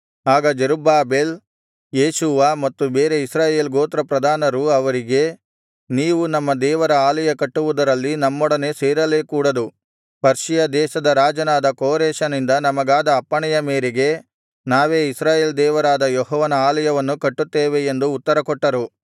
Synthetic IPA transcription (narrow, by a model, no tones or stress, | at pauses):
aːɡɐd͡ʒeɾubaːbeːl | jeːʃuʋamɐt̪ːubeːɾe̞isɾaːje̞ːlɡoːt̪ɾɐpɾɐd̪ʱaːnɐɾuɐʋɐɾiɡe̞ | niːʋunɐmːɐd̪ɛːʋɐɾɐaːlɐjɐkɐʈːuʋud̪ɐɾɐlːinɐmːɔɽɐne̞ːseːɾɐle̞ːkuːɽɐd̪u | pɐɾʂijɐd̪ɛːʃɐd̪ɐɾaːd͡ʒɐnaːd̪ɐkoːɾɛːʃɐnind̪ɐnɐmɐɡaːd̪ɐːpːɐɳɛjɐmeːɾeɡe̞ | naːʋeːisɾaːje̞ːld̪ɛːʋɐɾaːd̪ɐjoɦɔːʋɐnɐaːlɐjɐʋɐnːukɐʈːut̪ːeːʋe̞ːnd̪uːt̪ːɐɾɐkɔʈːɐɾu